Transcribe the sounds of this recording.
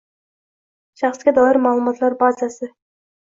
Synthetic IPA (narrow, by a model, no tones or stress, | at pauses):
ʃɑχsɡʲad̪ɑlˠɑɾmɑːlˠɨmɑt̪lˠɑɾbɑzasə